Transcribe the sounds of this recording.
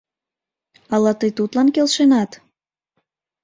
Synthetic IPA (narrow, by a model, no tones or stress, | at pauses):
ɑlɑt̪əjt̪ut̪lɑnkelʃenɑt̪